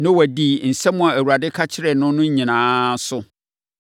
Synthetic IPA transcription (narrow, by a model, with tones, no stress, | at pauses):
nʊ̃˦wæ˨diː˨n̩˨sɛ̃˦mʊ̃˦a˨æ˨wu˨ɾa˨dɪ˦kʰa˦t͡ɕʰɪ˦ɾɛ˨nʊ̃˦nʊ̃˦ɲ˦ɲĩ˨nãː˦sʊ˦